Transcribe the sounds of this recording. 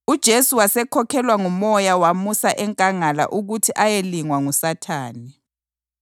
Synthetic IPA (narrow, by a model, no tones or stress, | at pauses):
ud̥ʒ̥ʱesuwasɛkʰɔkʰɛlwaŋumɔjawamusaʔɛŋkʼaŋala̰ʔuɣutʰiʔajeliŋwaŋusatʰa̰ːni